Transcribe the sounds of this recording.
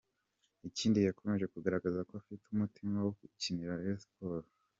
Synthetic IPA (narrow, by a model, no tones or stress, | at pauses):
iciːndijakʰo̞me̞ʒe̞kuɡaɾaɡazakoafitumutʰimawokuciniɾaespoɾ